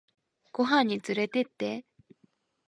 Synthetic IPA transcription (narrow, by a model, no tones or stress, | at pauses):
ɡ̥oɦãɲ̟ːit͡sɨɾe̞t̪e̞t̪ːe